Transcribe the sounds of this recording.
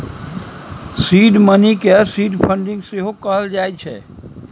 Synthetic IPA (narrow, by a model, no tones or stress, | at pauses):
siɖmənikesiɖpʰəɳɖĩŋɡseɦokəɦəld͡ʒajt͡ʃʰɛ̰